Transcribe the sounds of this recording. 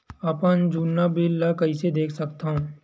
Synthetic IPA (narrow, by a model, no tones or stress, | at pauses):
ɐpənd͡ʒuːnːabilːakɐised̪eːkʰsɐkt̪aɦũː